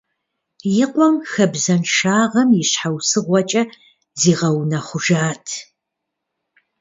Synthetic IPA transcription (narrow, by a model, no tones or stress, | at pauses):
jɪqʷɔmxɐbzɐnʃaːʁɐmjɪɕħawsɨʁʷɔt͡ʃʼɐ | ziːʁɐwnɐχʷʊʒaːtʰ